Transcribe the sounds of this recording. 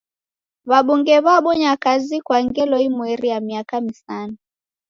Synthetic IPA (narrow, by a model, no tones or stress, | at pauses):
βaɓuŋɡɛβaɓɔɲakazikwaŋɡɛlɔimwɛɾijamiakamisana